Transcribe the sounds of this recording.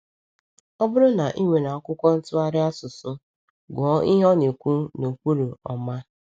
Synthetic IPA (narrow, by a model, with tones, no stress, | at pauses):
ɔ˦bʊ˦ɾʊ˦na˨ʔi˦ŋʷe˨na˨ɔ˦kʷʊ˦kʷɔ˦n̩˦tʊ˦a˦ɾɪ˦a˦sʊ˨sʊ˦ | ɡɔ˨˦ʔi˦ɦɔ˦ne˨kʷu˦no˨kʷu˦ɾo˨ɔ˨ma˦